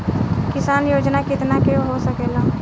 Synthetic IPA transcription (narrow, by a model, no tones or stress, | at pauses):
kɪsaːnjoːd͡ʒnakɪt̪nakeoɦosɐkeːlaː